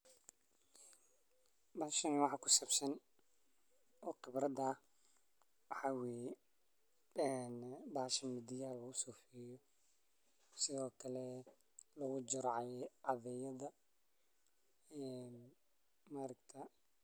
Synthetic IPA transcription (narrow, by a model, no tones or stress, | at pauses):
bɐʃɐnwɑħɑkʰʊsɐbsɐn | ɔːqɪbɾɐðɐ | wħɑwɛ | ɛnbaːʃɐmɪd̪ɪjaːlɐɣʊsuːfɛjɔ | sɪðɔːkʰɐlɛ | lɐɣʊd͡ʒɪɾʕɑɑðɛjɐðɐ | ɛn | maɾɐɡt̪ʰɐ